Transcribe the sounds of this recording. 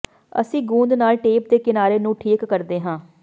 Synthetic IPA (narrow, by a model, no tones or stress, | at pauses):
ə̰sĩːɡũːnd̪naːlʈeːp̚d̪eːkɪnaːɾeːnũːʈʰiːkːəɾd̪eːɦãː